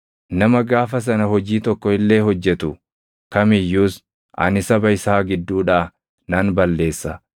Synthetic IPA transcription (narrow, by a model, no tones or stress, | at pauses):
nɐmɐɡaːfɐs̬ɐnɐhɔd͡ʒiːt̪ɔkːɔɪlːe̞ːɦɔd͡ʒːɛt̪ʊ | kɐmɪjːuːs | ʔɐ̰nɪsɐbɐɪsaːɡɪd̪ːuːᶑaː | nɐnbɐlːe̞ːsːɐ